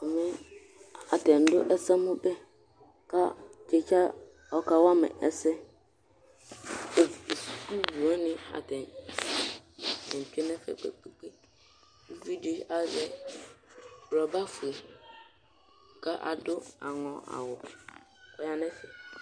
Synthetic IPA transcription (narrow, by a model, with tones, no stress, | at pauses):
ɔ˨mɪ̃˦ | a˨tɛ̃˨n̩˨˦dʊ̰˦ʔɛ˦sa˦mʊ̃˦bɛ˦ | ka̰˦t͡ʃɛ˨t͡ʃʰa˦ | ɔ˨ka˦wa˦mɪ̰̃˨ʔɛ˦sɛ˦˨ | su̥˨ku˦wu˨a˦nɪ̃˦a̰˨tʰɛ̃˨n | ɪ̃˨n̩˨tᶣɪ˦nɛ̃˦fɛ̰˨k͡pḛ˨k͡pe˦k͡pe˦ | vi˦di˨a˦zɛ˦ | bɾɔ˨ba˦fu˨e˨ | kʰa˦ʔa̰˨dʊ˦a̰˨ŋɔ̃˨a̰˨wʊ˨ | ɔ˨ja˨nɛ̃˦sɪ˨